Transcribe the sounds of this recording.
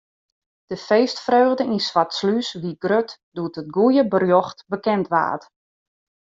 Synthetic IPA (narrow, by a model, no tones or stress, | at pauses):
d̥əfeːstfrøːɣdəinsʋatslysʋiɡrøt | d̥uətət̚ɡujəbərjoxtbəkɛntʋa̰ːt